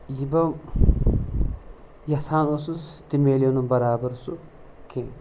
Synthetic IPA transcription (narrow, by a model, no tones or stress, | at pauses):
jibɐm | jɐsaːnosust̪imeːlonumbɐɾaːbɐɾsu | kʰe